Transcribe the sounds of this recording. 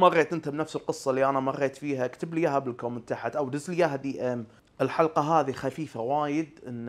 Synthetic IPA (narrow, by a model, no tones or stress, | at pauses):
mɑrˤːeːt̪ʔɪnt̪abnafsɪlqɨsˤːɑlːiʔanamɑrˤːeːt̪fiːɦakt̪ablijaɦabɪlkoːmɪt̪ːaħɪt̪ʔawd̪ɪzljaɦd̪iʔm | ʔɪlħɑlqɑɦaːðixafiːfawaːjɪd̪ʔɪnː